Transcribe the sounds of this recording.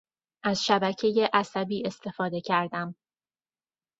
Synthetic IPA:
ʔæz̥ʃæbæcʰe̞je̞ʔæsæbiːe̞st̪ʰe̞fɒːd̪e̞cʰæɾd̪æm

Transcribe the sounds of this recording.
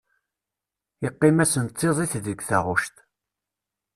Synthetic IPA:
ɪqːɪmæsənt̪ʰˤːeðˤiθðəɡθaʁʊʃt̪

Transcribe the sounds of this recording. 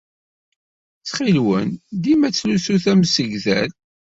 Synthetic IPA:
t͡sːχilwənd̪imæt͡sːlusuθæmsəɡðæl

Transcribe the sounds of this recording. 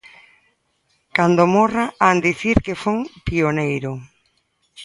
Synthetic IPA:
kand̪omoraand̪iθiɾkefoŋpionejɾo

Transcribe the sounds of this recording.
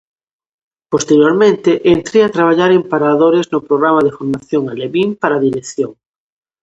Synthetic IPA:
post̪eɾjoɾmẽnt̪eʔent̪ɾeat̪ɾaβ̞aʎaɾempaɾaðoɾeznʊpɾoɣɾamaðefoɾmaθjoŋaleβimpaɾaðiɾeθjoŋ

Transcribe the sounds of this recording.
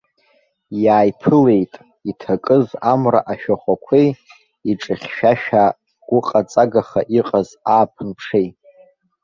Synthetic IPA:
jaːjpʰɨle̞jtʼ | itʰakʼɨzamra̰ʔaʃᶣaχʷakʷʰej | iʈ͡ʂʼɨχʲʃᶣaʃᶣa | ɡ̥ʷʊqʼat͡sʼaɡaχaʔiqʼazaːpʰɨnpʰʂejʼ

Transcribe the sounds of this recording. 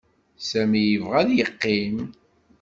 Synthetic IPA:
sæmijəvʁæðjəqːim

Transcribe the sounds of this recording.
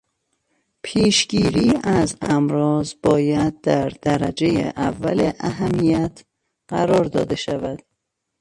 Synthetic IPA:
pʰiːʃɡiːɾiːæzæmɾɒːzb̥ɒːjæd̪̚d̪æɾd̪æɾæd͡ʒe̞jḛʔævːæleʔæɦæmijæt̪ʰ | ɢæɾɒːɾd̪ɒ̰ːd̪e̞ʃævæd̪̥̚

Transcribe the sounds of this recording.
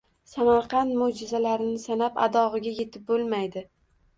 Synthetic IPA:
samaɾqʰɑnmod͡ʒɪzalaɾɪnɪsanapa̰d̪ɒʁɨɡʲaje̞t̪ʰɪp̚bolˠmajd̪ɪ

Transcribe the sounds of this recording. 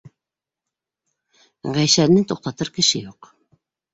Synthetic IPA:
ʁæjʃænɘt̪uq̚t̪ɑt̪ɤɾkɘ̆ʃɘjuq

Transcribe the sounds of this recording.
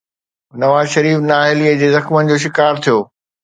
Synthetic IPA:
nɐʋaːzʃɐɾiːfnaːɦɪliːəd͡ʑeːzɐxmənɪ̆d͡ʑoːʃ̬ɪkaːɾt̪ʰijoː

